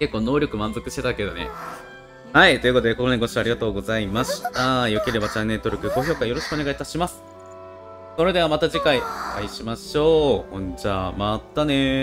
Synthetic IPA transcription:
ke̞kːo̞ːno̞ːɾʲo̞kɯ̟mãnzo̞kɯ̟ɕi̥t̪e̞t̪ake̞d̪o̞nḛ | hait̪o̞iɯ̟kot̪od̪eko̞koɲiɡoɕiaɾiɡat̪o̞ːɡo̞zaimaɕi̥t̪ajoke̞ɾe̞bat͡ɕanːe̞ɾɯt̪o̞ɾʲɯ̟kɯ̟ɡo̞ço̞ːkajo̞ɾo̞ɕi̥kɯoneɡait̪aɕimasɨ̥ | so̞ɾe̞d̪e̞β̞amat̪aʑikaioaiɕimaɕo̞ːhõd͡ʑaːmat̪ːane̞

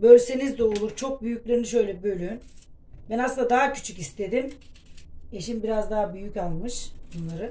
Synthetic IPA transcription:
bø̞lʲse̞nizd̪ɛo̞lˠuɾt͡ʃʰo̞k̚byjycʲlʲeɾiniʃø̞jlʲɛbø̞lʲyn | bænasɯnd̪ad̪aɦacʰy̥t͡ʃʰycist̪ʰe̞d̪im | e̞ʃimbiɾazd̪aɦabyjycalˠmɯʃbunlˠaɾɯ

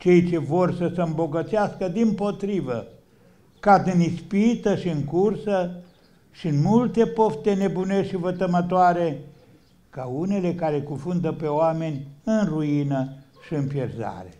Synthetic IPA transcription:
t͡ʃe̞jt͡ʃe̞vo̞rsəseɨmbo̞ɡət̪seaskəd̪impo̞t̪ɾivə | kad̪ɨnispit̪əʃiɨŋkursə | ʃiɨnmult̪e̞po̞ft̪ene̞buneʃivət̪əmət̪oaɾe̞ | kaune̞le̞kaɾe̞kunfund̪əpe̞oame̞nʲɨnruinə | ʃiɨnpjerza̰ɾe̞

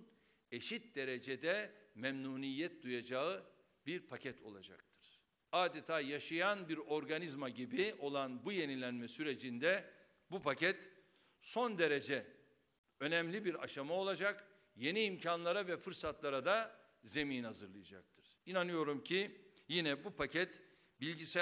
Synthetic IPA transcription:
n | e̞ʃit̪̚d̪e̞ɾe̞d͡ʒed̪ɛmɛmnuːnijːɛt̪̚d̪ujad͡ʒaɯ | biɾpʰacʰɛt̪ʰo̞̰lˠa̰d͡ʒa̰k̚t̪ʰɯ̥ɾ̥ | aːd̪et̪ʰaːjaʃɯjanbiɾo̞ɾɡanizmaɟibio̞lˠanbuje̞nilʲænmɛsyɾe̞d͡ʒind̪ɛ | bupʰacɛt̪ | so̞nd̪e̞ɾe̞d͡ʒɛ | ø̞nɛmlʲibiɾa̰ʃamao̞lˠad͡ʒak | je̞niːmcʰanlˠaɾavɛfɯɾsat̪lˠaɾad̪a | ze̞miːnhazɯɾlˠɯjad͡ʒa̰k̚t̪ʰɯ̥ɾ̥inanɯjo̞ɾumcʰijinɛbupʰacʰɛt̪ | bilʲɟisɛ

